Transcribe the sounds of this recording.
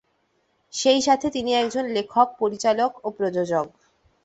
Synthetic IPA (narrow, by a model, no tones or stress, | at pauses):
ʃejʃat̪ʰet̪iniɛkd͡ʑonlekʰok̚poɾit͡ɕalokopɾod͡ʑod͡ʑoɡ